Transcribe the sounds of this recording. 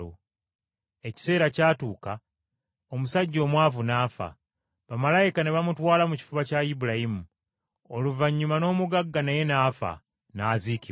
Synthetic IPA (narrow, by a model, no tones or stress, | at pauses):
o̰ | e̞ci̥se̞ːɾacaːtuːka | o̞musaɟːo̞ːmwaːvunaːfa̰ | βamalajikane̞βamutwaːlamuci̥fuβacajibulajimu | oluvaɲːumano̞ːmuɡaɡːanaje̞naːfa̰ | naːziːki